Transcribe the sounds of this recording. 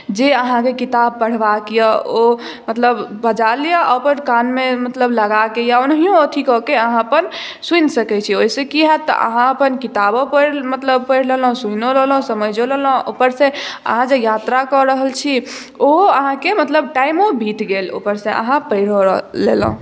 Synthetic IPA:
d͡ʒeəɦãkekit̪ab̚pəɽ̤bakijəo | mət̪ləbbəd͡ʒalijəəpənkanmemət̪ləbləɡakejaonɦijõot̪ʰikɔkeəɦãəpən | sunsəkɛt͡ʃʰioisekiɦɛt̪ɔ̰ʔə̰ɦãəpənkit̪abopəɾmət̪ləb̚pəjɽlel̃sunolel̃səməd͡ʒolelə̃o̰pəɾsẽə̰ɦãd͡ʒejat̪ɾakɔɾəɦəlt͡ʃʰi | oəɦãkemət̪ləbʈajmobʱit̪ɡelo̰pəɾsẽə̰ɦãpəjɽolḛlə̰̃ũ

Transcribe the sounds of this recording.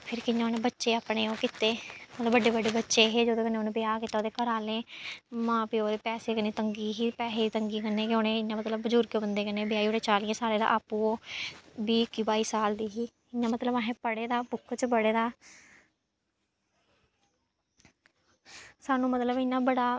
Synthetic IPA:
pʰɪɾkɪnːãːoːneːbətːʃeːaːpɽeːoːkɪt̪eːmət̪ləbəɖːeːbəɖeːbətːʃeːɦeːd͡ʒoːd̪eːkənːeːoːnẽːbɪjaːkɪt̪ːaːoːd̪eːkəɾaːlẽːmãːpioːd̪eːpɛːseːkəneːt̪əŋɡiːɦiːpɛːseːit̪əŋɡiːkənːeːkoːnẽːɪnːãːmət̪ləbːəd͡ʒʊɾkjoːbənd̪eːkənːeːbɪjaːioːɽeːt͡ʃaːlɪjãːsaːɾeːd̪a̰ːʔaːpũːoːbiːkiːbaːiːsaːld̪iːɦiː | ɪnːãːmət̪ləbaːɦẽːpəɽeːd̪aːpʊkʰːt͡ʃbəɽeːd̪aː | saːnũːmət̪ləbɪnːãːbəɽaː

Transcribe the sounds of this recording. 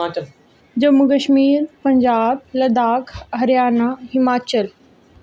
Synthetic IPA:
d͡ʑɐmukəʃmiːɾpɐ̃ɲd͡ʑaːb̚lɐd̪aːkʰɦɐɾjaːnaɦɪmaːt͡ɕəl

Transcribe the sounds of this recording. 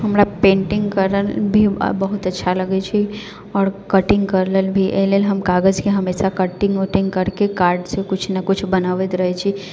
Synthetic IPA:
ɦɐmɾapẽːɳʈɪ̃ŋɡkəɾəlbʱḭbəɦʊt̪ɐtːʃʰalɐɡet͡ʃʰi | ɔːɾkəʈɪ̃ŋɡkəɾləlbʱiʔḛlelɦɐmkaːɡəd͡ʒkeɦɐmeːsakəʈɪ̃ŋɡoʈɪ̃ŋɡkɐɾkekaːɾɖsekʊt͡ʃʰnəkʊt͡ʃʰbənaːʋət̪ɾəɦet͡ʃʰi

